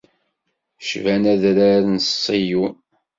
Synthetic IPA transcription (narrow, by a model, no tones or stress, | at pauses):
ʃvænæðɾaɾnsˤːiju